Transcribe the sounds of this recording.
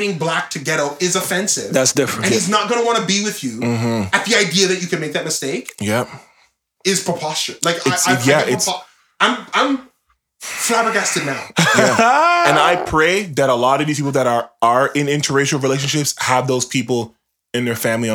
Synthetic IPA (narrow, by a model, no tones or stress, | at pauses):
ɾɪ̃ŋblæk̚tʰɨɡɛɾʌʊpɪzɨfɛ̃nsɪ̰vðætsd̥ɪfɹɨ̃ɨ̃niznət̚ɡ̥ʌ̃nəwɑ̃ñɨbiwɪðjʉm̥m̩ɨt̪̚ðiaɪdiɨðɨt͡ʃɨkɨ̃nmeɪk̚ðɨt̚mɨsteɪkjɛ | ɪz̥pʰɹ̥əpʰɑst͡ʃə˞laɪkaɨtsjæʔɪts | ãɪ̃mãɪ̃m | flæɪbə˞ɡɛstɨnaʊjæɨ̃naɪpʰɹ̥eɪðɨɾəlɔɾʌvðizpipl̩ˠðəɾə˞ə˞ɪ̃nɪ̃ntʰə˞ɹeɪʃl̩ˠɹileɪʃ̬ɨ̃nʃɪpshəvðoʊz̥pʰipl̩ˠ | ɨ̃nðə˞fæ̃mliɨ̃